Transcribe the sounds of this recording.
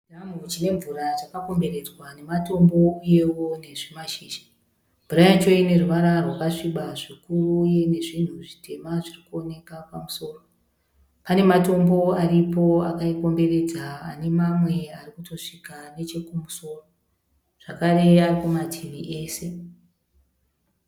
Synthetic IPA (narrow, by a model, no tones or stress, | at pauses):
damut͡ʃine̞ɱvuɾad͡zakako̞mbe̞ɾe̞d͡zwane̞mato̞mbo̞uje̞wo̞ne̞ʐemaʃiːʃḁ | mbuɾajat͡ʃo̞ine̞ruʋaɾarwakaʂiɓaʐikuruje̞ne̞ʐin̤uʐitʰe̞maʐirikuo̞ne̞kapamuso̞ːro̞ | pane̞mato̞mbo̞aripo̞a̰kaiko̞mbe̞ɾe̞d͡za̰ːne̞mamwe̞arikuto̞ʂikane̞t͡ʃe̞kumuso̞ːro | ʐ̥akare̞arikumatʰiʋiʔe̞ːse̞